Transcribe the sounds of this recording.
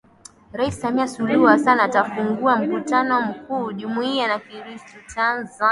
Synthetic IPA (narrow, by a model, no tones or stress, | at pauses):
ɾaisi̥samiasuluasanaːtafuŋɡuam̩kutanɔm̩kuːʄumuianakiɾistɔtʰanza